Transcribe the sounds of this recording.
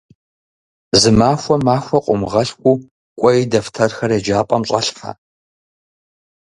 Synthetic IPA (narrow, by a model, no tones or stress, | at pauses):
zɨmaːxʷɔmaːxʷɔqʷʼʊmʁɐɬkʷʼu | kʷʼɔjdɐftʰɐrxɐred͡ʒaːpʼɐmɕʼɐɬħa̰